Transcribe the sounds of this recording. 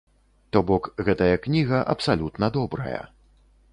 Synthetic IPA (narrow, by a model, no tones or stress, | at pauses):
t̪ɔbɔkɣɛt̪ɐjɐknʲiɣɐʔɐpsalʲut̪nɐd̪ɔbɾɐ̰jɐ̰